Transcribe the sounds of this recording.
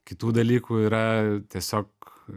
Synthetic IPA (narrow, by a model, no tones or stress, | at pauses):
kit̪ud̪ɛliːkuɾɛt̪ɛsɑk